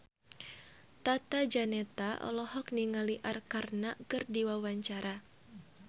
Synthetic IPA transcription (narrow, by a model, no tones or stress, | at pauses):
t̪at̪ad͡ʒanɛt̪aʔɔ̰lɔhɔk̚niŋaliʔarkarnakɨrdiwawaɲt͡ʃaɾa